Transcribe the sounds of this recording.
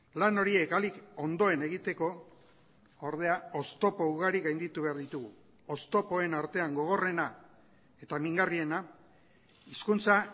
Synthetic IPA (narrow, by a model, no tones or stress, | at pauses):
lano̞ɾie̞kaliko̞nd̪o̞e̞ne̞ɣ̞it̪e̞ko̞ | oɾð̞e̞ao̞st̪o̞pouɣaɾiɣajnd̪it̪uβ̞e̞aɾðit̪uɣu | o̞st̪o̞po̞e̞naɾt̪e̞aŋɡo̞ɣ̞o̞re̞na | e̞t̪amiŋɡarie̞na | iskunt͡sa